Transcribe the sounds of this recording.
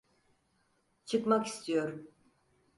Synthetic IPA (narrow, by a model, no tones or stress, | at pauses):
t͡ʃʰɯkmaki̥st̪ʰijo̞ɾ